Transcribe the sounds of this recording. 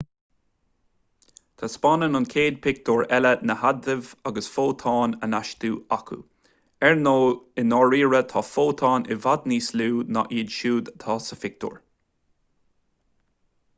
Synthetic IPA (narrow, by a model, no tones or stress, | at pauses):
t̪ʰaspɑnənʊnkʰeːd̪̚pʰɪk̚t̪oːɹɛlənəhad̪ɪvaɡəsfoːt̪ʰɑːnənaʃt̪uːakʰṵ | ɛɹnoːɪnɔɹiːɹət̪ʰɑːfoːt̪ʰɑːnɪvad̪niːsluːna̰ʔiːd̪ʃuːd̪t̪ʰɑːsəfɪk̚t̪ʰo̰ːɹ